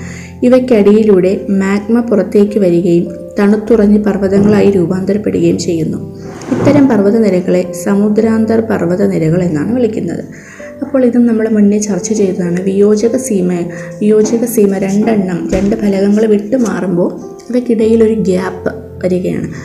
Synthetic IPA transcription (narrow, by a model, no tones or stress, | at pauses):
iʋɐkʲːɐɽijiluːɽe̞mjaːɡmɐpurɐt̪ːe̞ːkʲːɨʋɐɾuɣɐjum | t̪ɐɳut̪ːurɐɲːɨpɐrʋɐðɐŋːɐɭaːjiɾuːbaːnd̪ɐɾɐpːe̞ɽuɣɐjumt͡ɕe̞jːunːu | it̪ːɐɾɐmpɐrʋɐðɐniɾɐɣɐɭe̞sɐmud̪ɾaːnd̪ɐrpɐrʋɐðɐniɾɐɣɐɭe̞nːa̰ːɳɨʋɐɭikʲːunːɐ̰ðɨ̰ | ɐpːo̞ːɭiðumnɐmːɐɽemunːet͡ɕːɐrt͡ɕːut͡ɕe̞jt̪ɐðaːɳɨʋijo̞ːd͡ʑɐɣɐsiːmɐʋijo̞ːd͡ʑɐɣɐsiːmɐɾe̞ɳɖɐɳːɐmɾe̞ɳɖɨbʱɐlɐɣɐŋːɐɭʋiʈːɨmaːrumbo̞ː | iʋɐkːiɽɐjilo̞ɾuɡaːpːɨ | ʋɐɾuɣɐja̰ːɳɨ